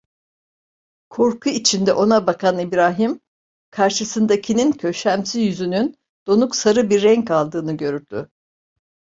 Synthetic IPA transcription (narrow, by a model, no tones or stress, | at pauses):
kʰo̞ɾkʰuit͡ʃʰind̪ɛʔo̞nabakʰanibɾaːɦim | kʰaɾʃɯsɯnd̪acʰinincʰø̞ʃæmsizjyzynyn | d̪̥o̞nuksaɾɯbiɾːɛŋkalˠd̪ɯːnɯɟø̞ɾyɾd̪̥y